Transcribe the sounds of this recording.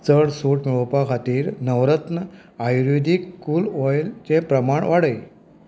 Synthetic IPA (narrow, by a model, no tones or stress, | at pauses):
t͡səɽsuʈmiɭpakʰat̪iːɾnəʋɾət̪nə | ajɾid̪ʱikkːuːlɔjlt͡sẽpɾəmaɳʋaɽəj